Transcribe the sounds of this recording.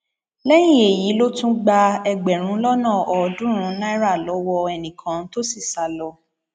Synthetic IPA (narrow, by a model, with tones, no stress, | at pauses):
lɛ˦j̃ĩ˨e˨ji˨˦lo˦tũ˦ɡ͡ba˧ɛ˧ɡ͡bɛ˨ɾ̃ũ˨˦lɔ˦nãː˦˨ʔɔ˨˧dũ˦ɾ̃ũ˨˦nã˦i˦ɾa˦˨lɔ˨˦wɔ˧ɛ˧nĩ˨kʰã˨˦n̩˦to˦si˦˨sa˨lɔ˧